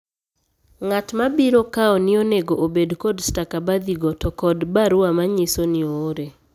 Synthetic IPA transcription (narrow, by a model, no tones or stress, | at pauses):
ŋatmabiɾokaɔnɪoneɡoʔobedkɔdstakabad̪iɡɔtɔkɔdbaɾʊamaɲɪsonɪooɾe